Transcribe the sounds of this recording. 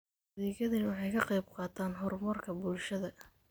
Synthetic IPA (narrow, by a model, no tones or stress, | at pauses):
ðiːɣɐðɪnwɑħɑjkʰɐqɑjbqɑːt̪ʰaːnɦɔrmɐrkʰɐbulʃɐðɐ